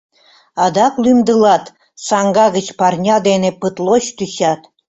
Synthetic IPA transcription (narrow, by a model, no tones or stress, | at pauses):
ɑd̪ɑklymd̪əlɑt̪ | sɑŋɡɑɣə̆t͡ɕpɑrnʲɑd̪enepɯt̪loɕt̪yɕɑt̪